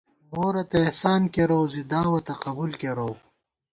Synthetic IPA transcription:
moːɾɐt̪ɐehsaːnkeɾowzid̪aːwɐt̪ɐqɐbulkeɾow

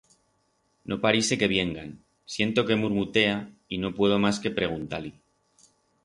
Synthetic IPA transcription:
nʔo̞paɾise̞ke̞β̞je̞ŋɡan | sjent̪o̞ke̞muɾmut̪e̞aino̞pwe̞ð̞o̞maske̞pɾe̞ɣ̞unt̪ali

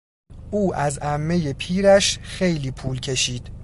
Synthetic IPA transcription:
ʔuːʔæzæmːe̞je̞pʰiːɾæʃxejliːpʰuːlcʰe̞ʃiːd̪̥

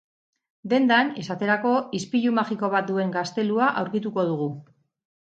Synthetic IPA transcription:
d̪e̞nd̪ane̞sat̪e̞ɾako̞ispiʎumaʝiko̞β̞at̪̚d̪ue̞ŋɡast̪e̞luaʔawɾkit̪uko̞ð̞uɣu

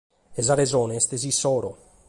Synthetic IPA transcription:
ezaɾezoːneest̪ezisoːɾo

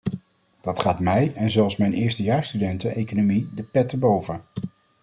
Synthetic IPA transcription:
d̥ɑtχaːtmɛjɛnzɛlˠsmɛjnʔɪːɹstəjaːɹstydɛntəejkonomidəpɛtəbowvə

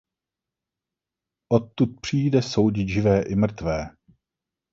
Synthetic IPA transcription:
ʔot̪ːut̪̚pr̝̥iːjdɛso̞wɟɪʒɪvɛːʔɪmr̩t̪vɛː

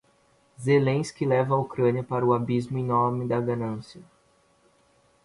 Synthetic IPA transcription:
zelẽj̃skɪlɛvɐaukɾɐ̃niɐpaɾɐʊabizmʊĩnõmɪd̪ɐɡanɐ̃siɐ

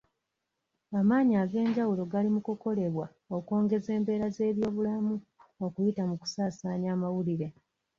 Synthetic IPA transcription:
amaːɲiaːɡe̞ːɲɟawulo̞ɡalimukuko̞le̞βwa | okwo̞ːŋɡe̞ze̞ːmbe̞ːɾaze̞ːβjo̞ːβulamuokujitamuku̥saːsaːɲaːmawuliɾe̞

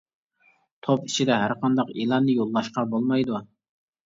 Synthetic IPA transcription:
t̪ʰopit͡ʃʰid̪ɛɦæɾqʰɑnd̪ɑqilˠɑnːɨjolˠːɑʃqɑbolˠmɑjd̪u

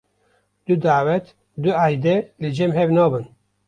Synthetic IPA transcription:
d̪̥ɨd̪aːwɛt̪ | d̪ɨaːjd̪ɛlɨd͡ʒɛmɦɛvnɑːbɨn

